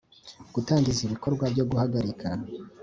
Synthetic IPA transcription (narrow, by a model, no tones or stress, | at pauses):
ɡ̥utaːŋɟiziβiko̞ɾɡwabɟo̞ɡuhaɡaɾikʰa